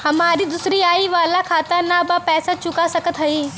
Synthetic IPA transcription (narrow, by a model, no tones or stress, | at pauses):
hɐmaːɾid̪ʊsɾiaːiʋaːlakʰaːt̪əɾnabapɛːsat͡ʃʊkasɐkət̪ɦɐiː